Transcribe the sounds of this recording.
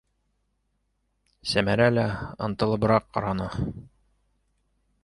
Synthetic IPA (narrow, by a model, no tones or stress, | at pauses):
sæmæɾælæɤ̰̆nt̪ɤ̆lˠɤ̆bɤ̆ɾɑqːɑ̰ɾɑnɑ